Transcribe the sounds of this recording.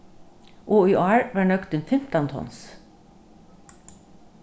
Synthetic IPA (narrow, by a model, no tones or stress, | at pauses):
ʔuːyːʔɑɹʋɑːɳœkt̪ənfɪmt̪ɑnt̪ʰɔ̰ns